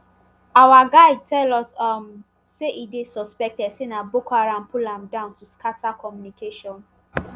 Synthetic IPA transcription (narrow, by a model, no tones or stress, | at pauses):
awaɡaɪd̚tʰɛlɔsam | seʔidesɔspɛk̚tɛdsenabokaɹãnpʰulãmdãʊ̃ntuskʰatakʰɔmjunikʰeʃɔ̃n